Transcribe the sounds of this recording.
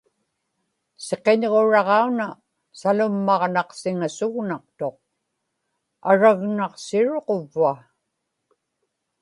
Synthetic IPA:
se̞qe̞ɲʁo̞ɻɑʁɑuna | salʊmːɑʁnɑqsɪŋasʊɣnɑq̚t̪o̞q̚ | aɻaɣnɑqsɪɻoqovːua

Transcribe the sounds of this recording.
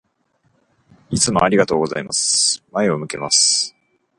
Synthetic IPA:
it͡sɨmo̞aɾʲiɡat̪o̞ːɡo̞za̰imasɨ̥mae̞o̞mɯ̟ke̞masɨ̥

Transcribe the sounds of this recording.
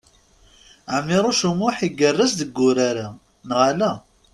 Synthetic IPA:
ʕəmːɪɾˤoʃəmːʊħiɡərːəsd̪əɡːʊɾaɾa | nʁalæ

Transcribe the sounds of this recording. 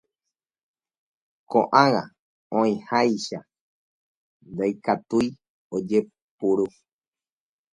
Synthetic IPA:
kõ̰ʔãwa | õĩhajʃa | nd̪ajkat̪uj | od͡ʒe | puɾu

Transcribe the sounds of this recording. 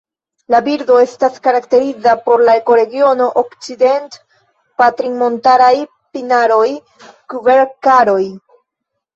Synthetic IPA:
labiɾdo̞e̞staskaɾakte̞ɾizapo̞ɾlaeko̞ɾe̞ɡio̞no̞ʔokt͡side̞nt | patɾiŋmo̞ntaɾaj | pinaɾo̞j | kubeɾkaɾo̞j

